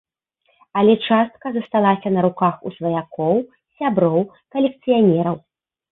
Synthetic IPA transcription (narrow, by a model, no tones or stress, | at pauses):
ɐlʲɛt͡ʂast̪kɐzɐst̪alˠasʲɐnɐɾukaxṵsvɐjakʰɔw | sʲabɾɔw | kɐlʲɛk̚t̪sɨjanʲɛɾɐw